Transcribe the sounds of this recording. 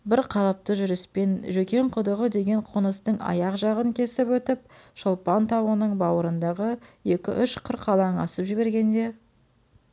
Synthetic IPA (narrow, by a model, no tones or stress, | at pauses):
bɪɾqʰɑlˠɑp̚t̪əʒʏɾɪspe̞nʒɵkʲe̞ɴqʰʊd̪əʁəd̪e̞ɡʲe̞ɴqʰənəst̪əɴɑ̰jɑqʒɑʁəŋkʲʰe̞sɪpwɵt̪ɪp̚ʃolˠpɑnt̪ʰɑwənəɴbɑwəɾənd̪ɑʁəje̞kʲɪ̰ʔʏʃqʰəɾqːɑlˠɑɴɑ̰səpʒɪβe̞ɾɡʲe̞nd̪e̞